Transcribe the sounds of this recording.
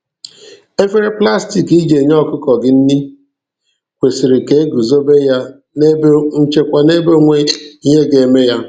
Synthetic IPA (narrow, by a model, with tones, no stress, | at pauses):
e˦fe˦ɾɪ˦pla˦sti˨ki˦d͡ʒe˨ɲɔ˦˨kʊ˦kɔ˨ɡɪ˦n̩˦ni˦ | kʷe˨si˨ɾi˨ke˨˦e˦ɡu˨zo˦be˦ja˦ | ne˦be˦ŋ̩˦t͡ʃe˦kʷa˨ne˦bo˦ŋʷe˦i˦ɦe˦ɡe˨me˦ja˦